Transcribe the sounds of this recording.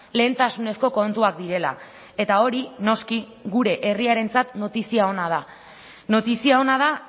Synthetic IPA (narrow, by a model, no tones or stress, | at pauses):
le̞ːnt̪asune̞sko̞kont̪uak̚d̪iɾe̞la̰ | e̞t̪ao̞ɾino̞ski | ɣuɾe̞ʔeriaɾe̞nt͡sat̪no̞t̪isiao̞nað̞a | no̞t̪isiao̞nað̞a